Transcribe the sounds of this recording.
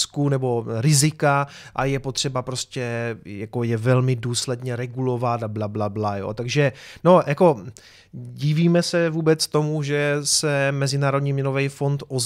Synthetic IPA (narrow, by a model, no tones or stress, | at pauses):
skunɛbo̞ɾɪzɪka | ʔajɛpo̞t̪r̝̥ɛbapɾo̞scɛjako̞jɛvɛlmɪduːslɛdɲɛɾɛɡulo̞vat̪ablablablajo̰ːt̪aɡʒɛno̞jako̞ | ɟiviːmɛsɛvuːbɛt͡st̪o̞muʒɛsɛmɛzɪnaːɾo̞dɲiːmɲɛnovɛjfo̞nt̪ʔoz